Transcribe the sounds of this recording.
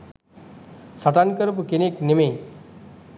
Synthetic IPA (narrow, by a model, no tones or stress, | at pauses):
saʈ̪ankəɾpukenekneme